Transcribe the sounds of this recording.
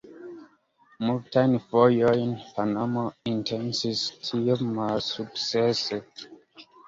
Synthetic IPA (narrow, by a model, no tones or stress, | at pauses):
muvtʰajnfɔjɔjnpʰanamoĩntʰɛ̃nsiztʰimasuksɛs